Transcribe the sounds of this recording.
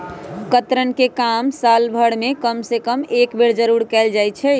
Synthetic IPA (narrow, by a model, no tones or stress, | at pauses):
kət̪ɾənkekamsalbʱəɽmekəmsekəmekbʱeɽd͡ʒəɾuɾkɛld͡ʒajt͡ʃʰɛ